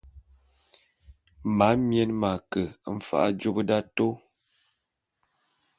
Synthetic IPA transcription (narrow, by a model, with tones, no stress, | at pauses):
ma˨˦mjɛ˦nma˨kə˨˦m̩˨fa̰˦ʔa̰˦d͡ʒo˦bə˦da˦to˦